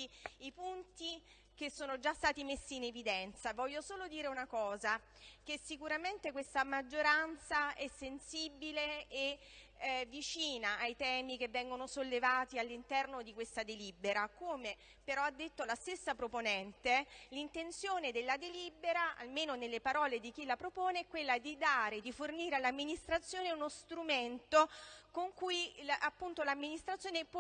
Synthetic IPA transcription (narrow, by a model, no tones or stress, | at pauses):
ipunt̪i | kesːoːnod͡ʒast̪aːt̪imesːiːnevid̪ɛnt̪savɔʎːosoːlod̪iːɾeunakɔːza | k̟esːikuɾament̪ekwest̪amad͡ʒːoɾant̪saɛsːensibilee | vːit͡ʃiːnaʔːjt̪ɛːmik̟evːɛŋɡonosolːevaːt̪ialːint̪ɛrnod̪ikwest̪ad̪elibeɾakoːme | peɾɔad̪ːet̪ːolast̪esːapɾoponɛnt̪elint̪ent̪sjoːned̪elːad̪elibeɾaa̰lmeːnonelːepaɾɔːled̪ik̟ilapɾopoːneɛkːwelːad̪id̪aːɾed̪iforniːɾealːamːinist̪ɾat̪sːjoːneunost̪ɾument̪okoŋkujapːunt̪olamːinist̪ɾat̪sjoːnepwɔ